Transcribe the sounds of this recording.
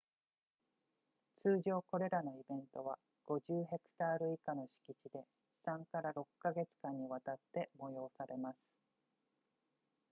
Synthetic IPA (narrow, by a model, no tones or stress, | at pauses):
t͡sɨːʑo̞ːko̞ɾe̞ɾano̞ibẽ̞nt̪o̞βa | ɡ̥o̞ʑɨːɦe̞kɯ̟̥t̪aːɾɯ̟ikano̞ɕi̥kʲit͡ɕid̪e̞ | sãŋkaɾaɾo̞kːaɡe̞t͡sɨ̥kãɲ̟ːiβat̪at̪ːe̞mo̞jo̞ːsaɾe̞masɨ̥